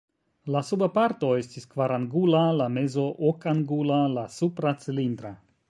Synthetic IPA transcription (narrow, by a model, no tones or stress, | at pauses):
lasubapaɾto̞e̞stiskvaɾanɡulalame̞zo̞ʔokanɡulalasupɾat͡silind̪ɾa